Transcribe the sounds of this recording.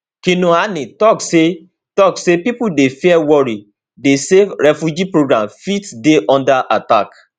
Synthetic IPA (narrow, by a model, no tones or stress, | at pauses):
kĩnũanĩtɔkse | tɔksepipudefiɛwɔɾi | deseɾɛfjud͡ʒipɾoɡɾãmfitdeʔɔ̃ndaʔatak